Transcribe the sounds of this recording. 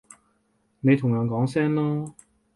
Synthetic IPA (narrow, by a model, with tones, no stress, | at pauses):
ne˨˧jt̪ʰʊ˨˩ŋjœː˨˧nkɔː˨˥ŋsɛː˥nlaː˥